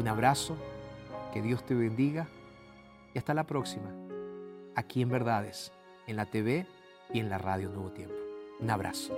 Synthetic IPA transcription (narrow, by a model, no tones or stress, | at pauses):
unaβɾaso̞ke̞ðjo̞st̪e̞βend̪iɣa | iast̪alapɾo̞ksima | akie̞mbe̞ɾðaðes | enlat̪eβe | ie̞nlaraðjonwe̞βot̪je̞mpounaβɾʔa̰so̥